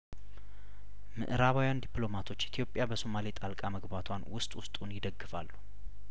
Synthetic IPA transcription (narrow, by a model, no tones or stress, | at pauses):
mɨ̰ʔɨɾaβawjand̪ipʼlo̞mat̪ʰo̞t͡ʃːɪt̪ʰijo̞pʼjabəso̞malit̪ʼalkʼaməɡbat̪ʰwanwʊst̪ʼwʊst̪ʼunjɪd̪əɡːɨfa̰lːu